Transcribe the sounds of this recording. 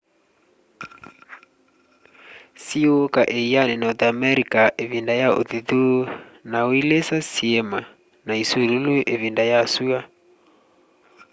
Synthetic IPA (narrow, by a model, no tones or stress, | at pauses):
siookaʔeianenɔt̪amɛɾikaʔevindajao̰ðiðunaoilesasiema | naisululuʔeβindajasua